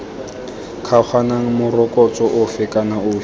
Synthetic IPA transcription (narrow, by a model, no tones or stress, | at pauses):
kʰaχʰwanaŋ̩mʊrɔkʼɔt͡sʼɔʔʊfɪkʼanaʊː